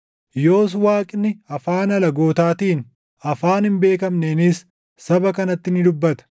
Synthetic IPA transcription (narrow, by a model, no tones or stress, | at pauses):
jo̞ːs̬waːkʼɪnːɪɐfaːnɐlɐɡo̞ːt̪aːt̪iːn | ɐfaːnhɪmbe̞ːkɐmneːnɪs | sɐbɐkɐnɐt̪ːɪnɪd̪ʊbːɐt̪ɐ̥